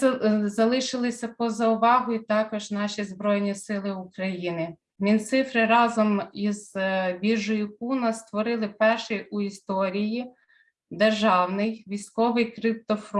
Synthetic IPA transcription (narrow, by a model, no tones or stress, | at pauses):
zɐlˠɪʃɪlˠɪsʲɐpɔzɐʊʋɑɦʊjit̪ɑkɔʒnɑʃʲizbɾɔjnʲisɪlˠɪʊkɾɐjinɪ | mʲint̪sɪfɾɪɾɑzɔmizʋʲiʒʊjʊp̚unɐst̪ʋɔɾɪlˠɪpɛrʃɪjuist̪ɔɾʲiji | d̪erʒɑwnɪjʋʲijsʲkɔʋɪjkɾɪp̚t̪ɔfɾɔ